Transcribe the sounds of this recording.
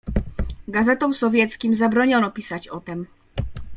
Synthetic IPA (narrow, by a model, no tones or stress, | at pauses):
ɡazɛt̪ɔmsɔvʲjɛt̪skʲimzabɾɔɲɔnɔpʲisat͡ɕɔt̪ɛm